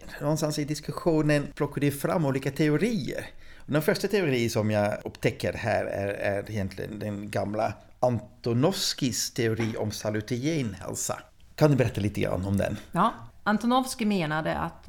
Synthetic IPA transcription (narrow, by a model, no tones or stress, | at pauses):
nɔnst̪ansɪd̪ɪskɵɧuːnənpʰlɔkːaɖɪfɾa̰mːuːliːkat̪ʰɛʊɾiːə̰ɾ | ɔd̪ɛnfœʂʈat̪ʰɛʊɾiːsɔmjɑːɵpːt̪ʰɛkːəɾhæ̰ːɾæ̰ɾæɾɪjɛnt̪ʰlɪ̰ɡə̰nd̪ɛnɡamla | ʔant̪ʊnɔfskɪst̪ʰɛʊɾiːʔɔ̰msalʉt̪ʰɪjeːnhɛ̰lsa̰ | kʰand̪ɵbɛɾɛt̪ːaliːt̪əɡɾa̰nːɔmd̪ɛ̰nʔant̪ʊnɔfskɪmeːnad̪ə̰a̰t̪